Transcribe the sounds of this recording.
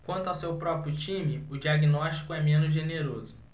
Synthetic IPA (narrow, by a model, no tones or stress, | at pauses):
kwɐ̃nt̪ʊawsewpɾɔpɾjʊt͡ʃĩmɪʊd͡ʒiaɡinɔʃt͡ʃi̥kʊɛmẽnʊzʒeneɾozʊ